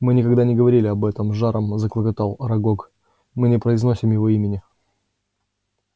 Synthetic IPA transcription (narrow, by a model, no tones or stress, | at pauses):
mɨnʲɪkɐɡd̪anʲɪɡəvɐɾʲilʲɪɐbɛt̪əmʐaɾʔəmzəklˠəkɐt̪alˠɾɐɡok | mɨnʲɪpɾəɪznosʲɪmjɪvoimʲɪnʲɪ